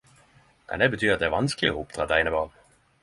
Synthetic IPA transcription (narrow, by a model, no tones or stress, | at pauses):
mʔɛ̰nd̪ɛbət̪ʰyːɾɑt̪d̪ɛæːʋɑnsklɪoʊp̚d̪ʁɑ̰ːd̪æɪnəbɑːn